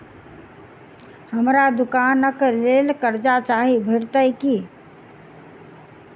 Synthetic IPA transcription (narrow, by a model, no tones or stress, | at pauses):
həmɾad̪ukanəklelkəɾd͡ʒat͡ʃaɦibʱəɽt̪əjki